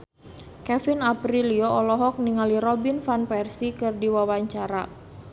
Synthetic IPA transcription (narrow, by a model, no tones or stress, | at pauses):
kɛfinapɾiliɔʔɔlɔɦɔk̚niŋaliɾɔbinfanpɛrsikɨrdiwawaɲt͡ʃaɾa̰